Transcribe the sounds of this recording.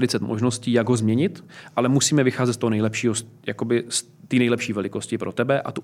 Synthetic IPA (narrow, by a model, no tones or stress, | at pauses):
dɪt͡sɛt̪mʔoʒno̞sciːjaɡɦozmɲɛɲɪt̪ʔalɛmusiːmɛvɪxaːzɛt̪st̪oɦonɛjlɛpʃiːɦos | jako̞bɪs | t̪iːnɛjlɛpʃiːvɛlɪko̞scɪpɾot̪ɛbɛʔa̰t̪u